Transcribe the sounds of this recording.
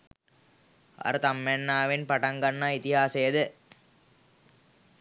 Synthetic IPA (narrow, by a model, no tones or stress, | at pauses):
a̰ɾət̪amːænːaːʋenpaʈaŋɡanːait̪iɦaːsɐjəd̪ə